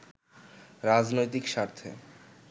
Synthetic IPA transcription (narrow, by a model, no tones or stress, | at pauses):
ɾad͡ʑnojt̪̬ikʃaɾt̪ʰḛ